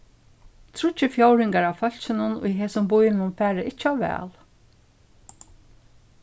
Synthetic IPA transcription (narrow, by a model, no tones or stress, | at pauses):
t̪ʰɾʊt͡ʃːɪfjowɾɪŋkaɹawfœl̥t͡ʃɪnʊnʊ̰jɦeːsʊmbʊjɪnʊnfæːɾəʔɪt͡ʃːɪawʋɛ̰ːl